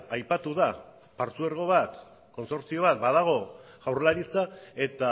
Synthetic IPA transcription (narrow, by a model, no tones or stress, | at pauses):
ajpat̪uða | paɾt͡sueɾɣo̞βat̪ | ko̞nso̞ɾt͡sio̞βat̪̚baðaɣ̞o̞ | ɣawɾlaɾit͡sae̞t̪a